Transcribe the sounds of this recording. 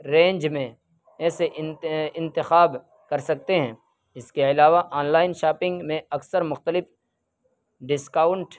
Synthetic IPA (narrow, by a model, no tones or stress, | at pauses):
ɾẽːɲd͡ʒmẽ | ɛːseʔɪ̃nt̪ɪxaːb | kɐɾsɐk̚t̪eɦɛ̃ː | ɪskeɪlaːʋaʔaːnlaːɪnʃaːpɪ̃ŋɡmẽɐksəɾmʊxt̪əlɪf | ɖɪskaːʊɳʈ